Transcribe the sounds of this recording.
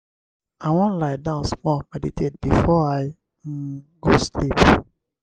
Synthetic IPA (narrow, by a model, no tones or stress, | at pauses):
aɪwɔ̃nlaɪdãʊ̃nsmɔlmɛditʰed̚bifɔaɪ | ɡoslip